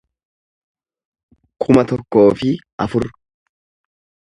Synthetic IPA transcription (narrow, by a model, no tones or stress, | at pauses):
kʰʊmɐt̪ɔkːo̞ːfɪʔɐfʊɾ